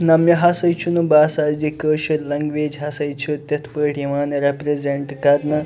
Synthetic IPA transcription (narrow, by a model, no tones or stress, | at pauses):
nɐmjɐɦasɐjt͡ʃʰunubaːsad͡ʒikəːʃɐɾlɐŋɡʋeːd͡ʒɦɐsɐjt͡ʃʰut̪ʲɐt̪ʰpəʈiʋaːnɾepɾezeɳʈkɐɾnɐ